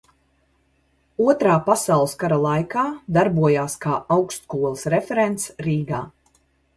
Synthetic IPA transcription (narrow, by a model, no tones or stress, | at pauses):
uɔt̪ɾaːpasawlˠskaɾalˠajkaːd̪aɾbuɔjaːskaːawkst̪skuɔlˠɨsɾefɛɾent̪sɾiːɡaː